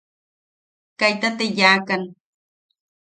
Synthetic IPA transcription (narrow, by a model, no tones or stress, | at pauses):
kajt̪at̪ejaːkan